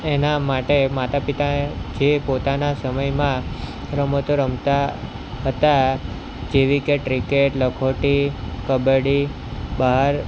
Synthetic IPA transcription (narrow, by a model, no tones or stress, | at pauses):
enamaʈemat̪apit̪ad͡ʒepot̪anasəməjmã | ɾəmot̪oɾəmt̪a | ɦət̪a | d͡ʒeʋikeʈɾikeʈləkʰoʈikəbəɽi | baɦaɾ